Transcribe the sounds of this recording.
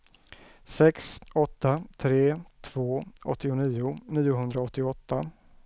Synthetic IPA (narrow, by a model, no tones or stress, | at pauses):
sɛksɔt̪ːat̪ʰɾeːt̪ʰv̥oːʔɔ̰t̪ːɪʊniːʊniːʊɦɵnd̪ɾaɔt̪ːɪɔt̪ːa